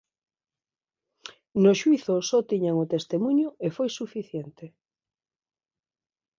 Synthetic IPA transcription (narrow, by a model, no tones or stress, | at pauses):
noʃwiθʊsɔt̪iɲaŋʊt̪est̪emuɲʊʔefojsufiθjent̪e